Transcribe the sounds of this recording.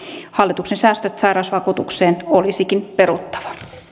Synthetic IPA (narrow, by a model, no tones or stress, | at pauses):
hɑlːit̪uksensæːst̪øt̪sɑjɾɑsʋɑkuːt̪ukseːnolisikinpeɾut̪ːɑ̥ʋɑ̥